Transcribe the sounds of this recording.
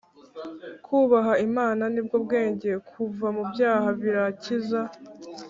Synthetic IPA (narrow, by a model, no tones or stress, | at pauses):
kʰuːβaɦaimaːnanib̚ɡobɡe̞ːɲɟe̞kʰuvamubjaːhaβiɾaciza